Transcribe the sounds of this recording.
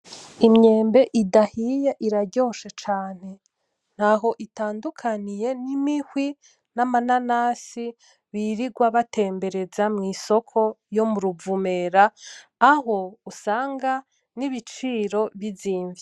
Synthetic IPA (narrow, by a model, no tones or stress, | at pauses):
imɲe̞ːmbe̞ʔidahijeʔiɾaɟo̞ʃet͡ʃaːn̥e̞ | n̥haɦo̞ʔitaːndukʰanije̞nimihwi | namananasi | βiɾiɡwaβate̞ːmbe̞ɾe̞zamŋiːso̞kʰo̞jo̞muɾuvume̞ɾaː | ho̞usaːŋɡa | niβit͡ʃiːɾo̞βiziːɱvi